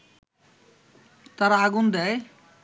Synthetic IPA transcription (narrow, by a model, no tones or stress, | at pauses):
t̪aɾaaɡund̪ɛj